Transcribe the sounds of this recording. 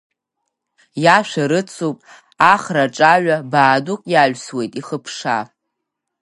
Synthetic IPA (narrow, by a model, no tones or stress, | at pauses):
jaʃʷᶣaɾɨt͡sʰowpʼ | aχraʈ͡ʂʼaɥʷabaːdukʼjaɥʷswe̞jtʼiχəpʰʂa̰